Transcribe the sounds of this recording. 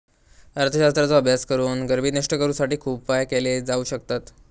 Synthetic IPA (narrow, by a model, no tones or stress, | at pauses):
əɾt̪ʰəɕast̪ɾat͡sɔəbʱjaskəɾuːnɡəɾbiːnəʂʈəkəɾuːsaʈiːkʰuːb̚pajkeled͡zauːɕəkt̪at̪